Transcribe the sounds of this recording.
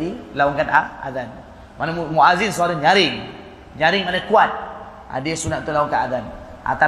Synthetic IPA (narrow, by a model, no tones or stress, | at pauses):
ilaɔŋkanaa̰zan | manamumuazinsuaɾaɲaɾɪŋ | ɲaɾɪŋmanakuat̪̚ | a̰diəsunaʔt̪ulaɔŋkaadan | ʔa̰t̪a